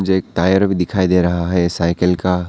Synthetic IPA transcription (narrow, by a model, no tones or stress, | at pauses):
d͡ʒek̚t̪ajəɾbʱid̪ɪkʰaːid̪eɾəɦaɦɛsaɪkəlka